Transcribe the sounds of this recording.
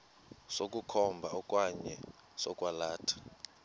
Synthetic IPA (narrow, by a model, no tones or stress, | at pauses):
sok̬ʼukʰɔmbʱaɔkʼwaɲɛ | sɔkʼwalaːtʰḁ